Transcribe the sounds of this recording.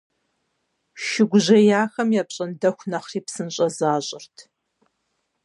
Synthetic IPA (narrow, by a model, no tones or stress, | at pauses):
ʃɪɡʷʊʑɐjaːxɐmjaːpɕʼɐndɐxʷnɐχriːpsɨnɕʼɐzaːɕʼɪrtʰ